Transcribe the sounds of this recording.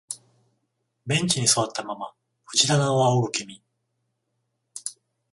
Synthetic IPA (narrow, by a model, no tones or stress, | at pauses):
bẽ̞ɲ̟t͡ɕiɲ̟isɨβat̪ʰːamama | ɸɯ̟d͡ʑid̪anãɰ̃βaoɡɯ̟kʲimʲi